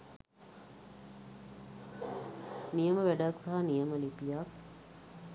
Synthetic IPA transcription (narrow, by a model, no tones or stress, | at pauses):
nijəməʋæɖaksaɦanijəməlipijak̚